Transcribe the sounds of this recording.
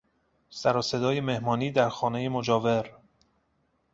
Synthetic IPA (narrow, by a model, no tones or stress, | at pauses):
sæɾɒːse̞d̪ɒːje̞me̞hmɒːniːd̪æɾxɒːne̞jemod͡ʒɒːveɾ